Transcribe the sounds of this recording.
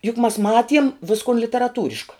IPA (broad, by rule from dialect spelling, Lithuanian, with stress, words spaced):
jʊk mɐs ˈmɑːtʲiɛm ˈʋʲɪskoːn lʲɪtʲɛrɐˈtuːrʲɪʃkɐ